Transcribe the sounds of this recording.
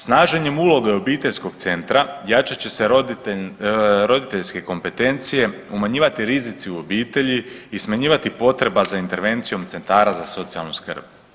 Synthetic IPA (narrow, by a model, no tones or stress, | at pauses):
snaːʒe̞ɲe̞mulˠo̞ɡe̞o̞biːt̪e̞ʎsko̞ɡt̪se̞nt̪ɾajat͡ʃat͡ɕe̞se̞ɾo | ɾo̞d̪it̪e̞ʎske̞ko̞mpe̞t̪e̞nt̪sije̞ | umaɲiːʋat̪iɾizit̪siuo̞biːt̪e̞ʎiismaɲiːʋat̪ipo̞t̪ɾe̞bazaint̪e̞ɾʋe̞nt̪sijo̞mt̪se̞nt̪aːɾazaso̞t̪sia̰lˠnuskr̩b̥